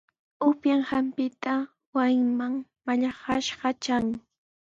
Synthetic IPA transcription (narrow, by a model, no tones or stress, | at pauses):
ʊpjaŋhampɪt̪a | wajmaŋmaʎaχɑʃɢɑt͡ʃaŋ